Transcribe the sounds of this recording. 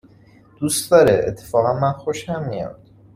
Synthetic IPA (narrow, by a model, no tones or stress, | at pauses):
d̪̥ust̪d̪ɒːɾeʔḛt̪ʰːe̥fɒːɣænmænxo̞ʃhæmːijo̰fd̪̥